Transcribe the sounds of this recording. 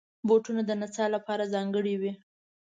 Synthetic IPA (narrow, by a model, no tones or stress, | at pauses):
boʈunad̪ənat͡sɑlapɑɾazɑŋɡəɽiwi